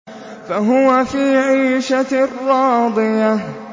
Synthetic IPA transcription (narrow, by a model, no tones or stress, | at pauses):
faɦʊwafiːʕiːʃarˤːɑːd̪ˤɨja